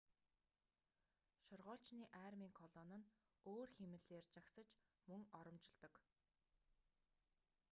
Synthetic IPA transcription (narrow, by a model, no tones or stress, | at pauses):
ʃʊrʁɔːɬt͡ɕniːʔæːrmiːŋkʰɔɮɔnə̆n | oːrxemɘ̆ɮeːrt͡ɕaksə̆t͡ɕ | mɵŋɔɾɞ̆mt͡ɕɪ̆ɮt̪ɞ̆k